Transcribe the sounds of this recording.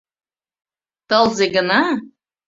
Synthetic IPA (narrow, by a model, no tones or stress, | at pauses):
t̪ɤlˠzeɡə̆nɑ